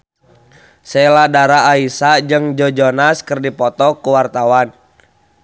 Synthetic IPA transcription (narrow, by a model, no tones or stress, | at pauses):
sɛladaɾaːisad͡ʒɨŋd͡ʒɔd͡ʒɔnaskərdipɔt̪ɔkuwart̪awan